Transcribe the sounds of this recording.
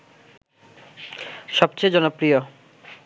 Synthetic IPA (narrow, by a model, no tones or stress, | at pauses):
ʃɔb̚t͡ɕed͡ʑɔnopɾijo